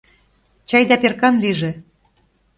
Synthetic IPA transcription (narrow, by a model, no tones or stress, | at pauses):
t͡ɕɑjd̪æperkɑnliʒĕ